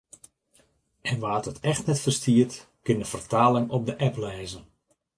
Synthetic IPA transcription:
ʔɛnʋaːətɛxtnɛtfərstiərt | kɪndəfərtaːlɪŋɔp̚dəʔɛplɛːzən

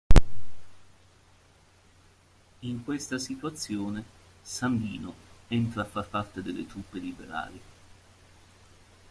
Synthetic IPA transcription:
iŋkwest̪asit̪wat̪sːjoːne | sand̪ḭːnoent̪ɾaːfːapːart̪ed̪elːḛt̪ɾupːelibḛɾa̰ːli

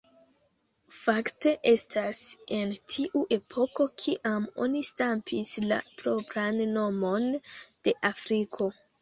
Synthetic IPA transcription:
fakte̞ʔe̞stʰase̞ntʰiʔuʔe̞pʰo̞ko̞kʰiʔamo̞̰nistampʰisla̰pɾo̞pɾanːo̞mo̞nd̥e̞ʔafɾikʰo̞

